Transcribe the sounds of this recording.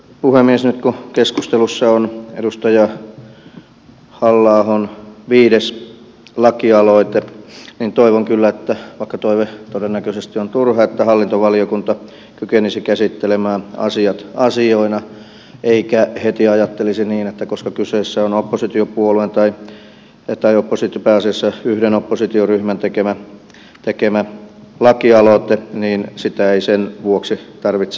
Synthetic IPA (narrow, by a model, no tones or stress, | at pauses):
puhemːiesnyt̪kukeskust̪elusːɑonḛdust̪ɑjɑ | hɑlːɑːhonʋiːdes | lɑkiɑloit̪eniːnt̪oiʋoŋkylːæet̪ːæʋɑikːɑt̪oiʋet̪odenːækøsest̪iont̪urhɑet̪ːæhɑlːint̪oʋɑliokunt̪ɑ | kykenisikæsit̪ːelemæːɑ̰siɑt̪ɑsioinɑ | eikæhet̪iɑjɑt̪ːelisiniːnet̪ːækoskɑkyseːsːæonopːosit̪iopuoluent̪ɑi | t̪ɑiopːosit̪opæɑsiɑsːɑyhdenopːosit̪ioryhmænt̪ekemæ | t̪ekemælɑkiɑloˑt̪eniːnsit̪æeisenʋuoksit̪ɑrʋit̪s